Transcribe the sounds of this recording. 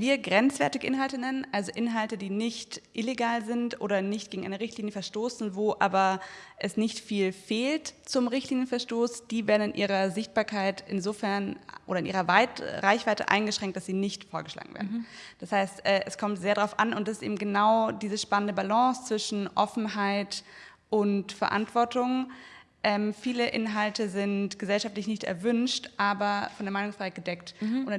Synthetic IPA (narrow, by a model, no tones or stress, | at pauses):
viːɐɡʁɛnt͡sv̥ɛɐtɪɡəʔɪnhaltənɛnənʔalzoʔɪnɦaltədiːnɪçtʔɪleɡaːlzɪntʔo̰ːɾɐnɪçt̚ɡ̥eːɡŋ̩ʔaɪnəʁɪçtliːnjəfɛɐʃtoːsn̩voːʔaːbɐʔɛsnɪçtfiːlfeːltt͡sʊmʁɪçtliːnjənfɛɐʃtoːsd̥iːveːɐdn̩ɪnʔiːʁɐzɪçt̚b̥aːɐkʰaɪtɪnzoːfɛɐnʔoːɾɐɪnʔḭːʁɐvaɪtʁaɪçv̥aɪtə̰ʔa̰ɪnɡəʃʁ̥ɛŋ̚td̥asz̥iːnɪçtfoːɐɡəʃla̰ːɡŋ̩vḛɐdnd̥ashaɪstʔɛːʔɛskʰɔmtz̥eːɐɾaʁaʊfʔa̰nʊntd̥asɪstʔḛːbm̩ɡənaʊdiːzəʃpanəndəbalɑ̃ːst͡sv̥ɪʃn̩ʔɔfn̩ɦaɪt | ʔʊntfɛɐʔa̰ntv̥ɔɐtʊŋ | ʔɛmfiːləʔɪnɦaltəzɪntɡ̥əzɛlʃaftlɪçnɪçtɛ̰ɐvʏnʃtʔaːbɐfɔndeːɐmaɪnʊŋsfʁ̥aɪhaɪtɡ̥ədɛktʔon